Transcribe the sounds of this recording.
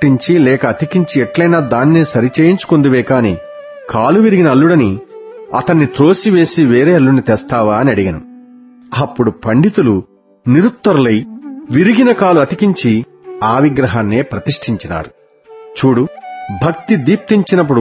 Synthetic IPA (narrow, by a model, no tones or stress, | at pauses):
iɲt͡ʃilɛːkɐːt̪ikiɲt͡ʃiɛʈlɐjnaːd̪aːnːiːsɐɾit͡ʃeːjiɲt͡ʃu̥kond̪uʋɛːkaːnḭ | kaːluʋiɾiɡinɐɐlːuɽɐniɐt̪ɐnːit̪ɾo̞ːsiʋe̞ːsiʋeːɾeːɐlːunːit̪ɛːst̪aːʋaːɐniɐɽiɡɐnṵ | ɐpːuɽupɐɳɖit̪ulu | niɾut̪ːɐɾulɐjʋiɾiɡinɐkaːluɐt̪ikiɲt͡ʃi | aːʋiɡɾɐɦaːnːeːpɾɐt̪iʂʈʰiɲt͡ʃina̰ːɾu | t͡ʃuːɽubʱɐk̚t̪id̪iːp̚t̪iɲt͡ʃinɐp̬ːuɽ